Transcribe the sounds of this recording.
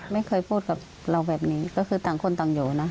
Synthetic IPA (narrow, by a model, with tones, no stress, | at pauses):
ma˥˩jkʰɤː˧jpʰuː˥˩t̪̚ka˨˩p̚ | ɾa˧wbɛː˨˩p̚niː˦˥kɔː˥˩kʰɯː˧t̪aː˨˩ŋkʰo˧nt̪aː˨˩ŋjoː˨˩na˦˥